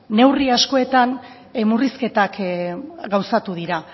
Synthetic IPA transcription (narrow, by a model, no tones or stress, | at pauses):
ne̞wriasko̞e̞t̪an | muriske̞t̪ak | ɡawsat̪uð̞iɾa